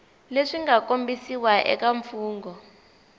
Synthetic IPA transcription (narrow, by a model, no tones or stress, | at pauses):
leʂiŋɡakombisiwaʔɛ̰kaɱfuːŋɡɔ